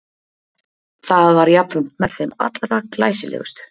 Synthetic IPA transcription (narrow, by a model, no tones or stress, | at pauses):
θaðvaɾjapɾʏm̥t̪mɛɾθejma̰t̪lɾaklaːjsɪlʔḛːɣʏst̪ʏ̥